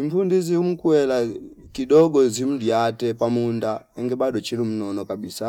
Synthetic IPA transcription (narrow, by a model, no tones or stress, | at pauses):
impundizium̩kuwɛla | kiɗɔɡɔzim̩diatɛpamundaɛŋɡɛbaɗɔt͡ʃilum̩nɔnɔkabisa